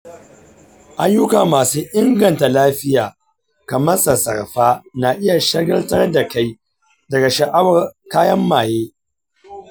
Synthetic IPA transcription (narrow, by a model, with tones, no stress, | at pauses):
ʔa˦jːʊ˦kaː˨maː˨suː˦ʔɪ˦ŋɡɐ˨nta˨laː˦ɸɪ˦jaː˨ | kɐ˨mɐ˦sɐ˨sɐ̰˨rɸaː˦na˨ʔɪ˦ja˨ʃɐ˦ɡɐ˦ltɐ˦rda˨ka˦j | dɐ˨ɡa˨ʃɐ˨ʔa˦wɐ˨rkaː˦jɐ˦mːaː˨jeː˦